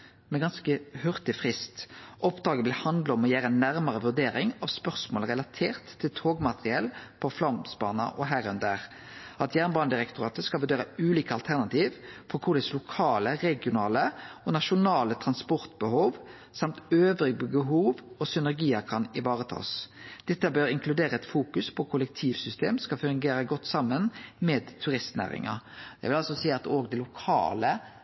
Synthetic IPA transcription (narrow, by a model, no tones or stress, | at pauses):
mɛɡɑnskəhʉʁt̪ɪfʁɪst̪ʔɔpd̪ɑːɡəʋɪlhɑnd̪ləɔmɔjæːɾəɛnːæʁməʁəʋʉʁd̪eːɾɪŋɑʋspœʁsmoːlʁɛlɑt̪ʰeːʁt̪ʰːɪlt̪ʰoːɡmɑt̪ʁɪɛlpʰɔflɑmsbɑ̰ːnɑ̰ʔɔɦæːʁœnd̪æʁ | ɑt̪jæːʁnbɑːnəd̪ɪʁɛkt̪ʊʁɑːt̪əskɑʋʉɾd̪eːɾəʉːliːkəɑlt̪ʰæʁnɑt̪ʰiːʋfɔʁkʰʊʁd̪ɛslʊkʰɑːləʁɛɡɪʊnɑːləɔnɑʃʊnɑːlət̪ʰʁɑnspɔʁt̪bəhuːʋ | sɑmt̪øːʋɾɪbəbəɦuːʋɔsʏnæʁɡiːəɾkʰɑnɪʋɑːʁət̪ʰɑ̰ːsd̪̥ɛt̪ːəbœɾɪŋkʰlʉd̪eːɾəɛt̪fuːkʉspʰɔkʰʊlɛk̚t̪ʰiːʋsʏst̪ʰeːmskɑfʉŋɡeːɾəɡɔt̪ːsɑmːənmeːd̪t̪ʰʉɾɪst̪næ̰ːɾɪ̰ŋɑ̰d̪ɛ̰ʋɪlɑlsɔsiːəɑt̪oːɡd̪ɛlʊkʰɑ̰ːlə